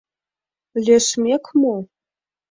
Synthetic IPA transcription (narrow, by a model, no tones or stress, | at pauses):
lʲeʂmekʰmo